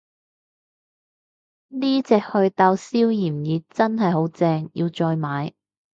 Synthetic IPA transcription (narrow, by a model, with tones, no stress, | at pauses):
niː˥t͡sɛː˨k̚hɵ˧ɥt̪aː˧wsiː˥wjiː˨˩mjiː˨t͡sɐ˥nɦɐ˨jɦo˨˥wt͡sɛː˧ŋjḭː˧wt͡sɔː˧jmaː˨˧j